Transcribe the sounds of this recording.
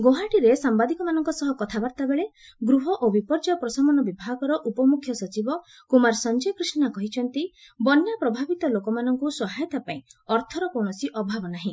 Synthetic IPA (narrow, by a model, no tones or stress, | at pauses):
ɡoɦaʈiɾesambad̪ikɔmanɔŋkɔsɔɦɔkɔt̪ʰabaɾt̪abeɭe | ɡɾuɦɔʔobipɔɾd͡ʒaɔpɾɔsamɔnɔbibʱaɡɔɾɔʔupɔmukʰːjɔsɔt͡ʃibɔ | kumaɾsɔnd͡ʒekɾisnakɔɦit͡ʃʰɔnt̪i | bɔnjapɾɔbʱabit̪ɔlokɔmanɔŋkusɔɦajɔt̪apaĩɔɾt̪ʰɔɾɔkoɳɔsiʔɔbʱabɔnaɦĩ